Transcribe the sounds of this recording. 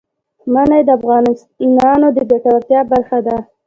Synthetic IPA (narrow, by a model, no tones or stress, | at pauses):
manajd̪əafɣɑn | inɑnod̪əbet̪aɾaft̪jɑbaɾxad̪a